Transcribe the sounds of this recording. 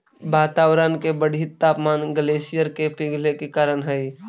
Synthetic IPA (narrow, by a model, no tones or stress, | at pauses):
baːt̪awɾənkebəɽʱit̪ːaːpmanɡəlesijəɾkepiɡʱlekekaːɾənɦəj